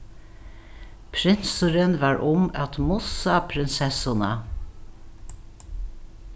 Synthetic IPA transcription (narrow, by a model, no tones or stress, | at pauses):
pʰɾɪnsʊɾənʋɑːɹʔʊmɑt̪mʊsɑpʰɾɪnsɛsʊnɑ